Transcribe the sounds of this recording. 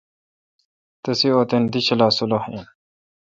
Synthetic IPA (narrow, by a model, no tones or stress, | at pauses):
t̪ɐsioːt̪end̪iɕɐlaːsulohḛn